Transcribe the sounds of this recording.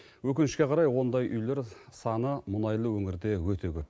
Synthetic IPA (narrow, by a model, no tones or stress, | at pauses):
wɵkʲɪnɪʃkʲe̞qʰɑɾɑjwo̞nd̪ɑjʔʏjle̞ɾsɑnəmʊnɑjlˠəwɵŋɪɾd̪e̞wɵt̪ʰe̞kʲʰɵp̚